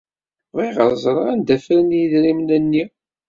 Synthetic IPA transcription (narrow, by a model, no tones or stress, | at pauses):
ʁiʁəɾzˤɾˤænd̪æfɾənjiðɾimnænːi